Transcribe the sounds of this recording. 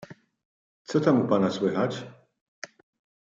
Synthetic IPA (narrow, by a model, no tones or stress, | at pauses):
t͡sɛt̪amupanaswɛɦat͡ʃ